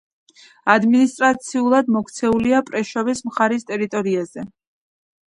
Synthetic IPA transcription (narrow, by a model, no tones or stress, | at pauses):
ad̪minist̪ʼɾat̪sʰiulˠad̪mɔkʰt̪sʰɛuliapʼɾɛʃɔvismχaɾist̪ʼɛɾit̪ʼɔɾiaz̥ɛ